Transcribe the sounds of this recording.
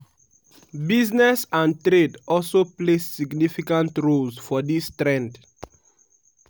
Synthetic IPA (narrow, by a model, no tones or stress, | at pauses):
biznɛsãntɾedɔlsoplesːiɡnifikãntɹolsfɔdistɾɛ̃nd